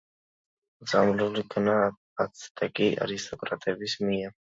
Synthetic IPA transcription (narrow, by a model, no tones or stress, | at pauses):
d̪zamluliɡna | ast̪ʰakʼiʔa̰ɾist̪ʰʼɔkʼɾat̪ʼɛbismija